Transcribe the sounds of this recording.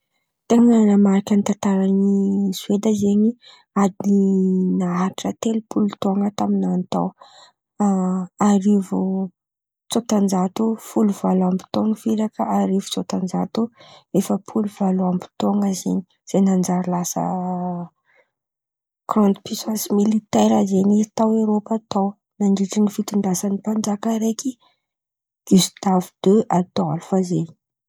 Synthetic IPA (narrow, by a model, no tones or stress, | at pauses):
t̪eŋənamaɾikʲanit̪ant̪aɾanizwed̪əzeɲi | ad̪ininaaʈ͡ʂət̪elupulut̪oŋət̪aminant̪a̰w | aɾivu | t͡sot̪and͡zat̪ufuluvalambi̥t̪oŋəviɾakəaɾivu̥t͡sot̪and͡zat̪uefəpʰuluv̥aloambi̥t̪oŋəzeni̥ | z̥enand͡zaɾilasə̰ | krɔnt̪pisasmilit̪eɾazenit̪awewɾopat̪aw | naɳɖ͡ʐiʈ͡ʂinifit̪uɳɖ͡ʐasanipand͡ʒakəɾeki | ɡ̥ust̪avud̪̥øʔad̪ɔlfaze